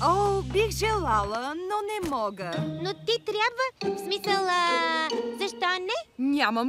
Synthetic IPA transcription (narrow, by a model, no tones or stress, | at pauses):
obixʒɛlˠalˠənonɛmɔɡənot̪it̪ɾʲabvəfsmisəlˠ | zɐʃt̪ɔnɛnʲaməm